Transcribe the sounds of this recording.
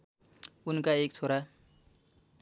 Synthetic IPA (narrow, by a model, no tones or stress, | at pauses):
unkaekt͡sʰoɾa